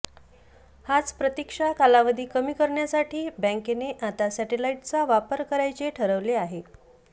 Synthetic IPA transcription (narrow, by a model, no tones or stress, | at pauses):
hat͡spɾət̪ikʂakalaʋəd̪ʱiːkəmiːkəɾɳjasaʈʰiːbɛ̃ŋkeneʔat̪asɛʈelaiʈt͡saʋapəɾkəɾajt͡seʈʰəɾəʋleaɦe